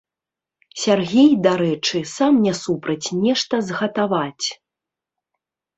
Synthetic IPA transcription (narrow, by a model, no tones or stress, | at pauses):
sʲarɣʲejd̪aɾɛt͡ʂɨsamnʲɛsupɾɐt͡sʲnʲɛʂt̪ɐzɣɐt̪avat͡sʲ